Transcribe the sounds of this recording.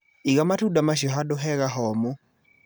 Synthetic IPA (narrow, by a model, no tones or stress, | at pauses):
iɣamatudamaʃɔɦaɗɔɦɛɣaɦɔmu